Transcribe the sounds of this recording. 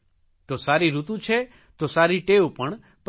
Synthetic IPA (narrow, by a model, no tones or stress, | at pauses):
t̪osaːɾiɾut̪ũt͡ʃʰe | t̪osaɾiʈeopəɳ | p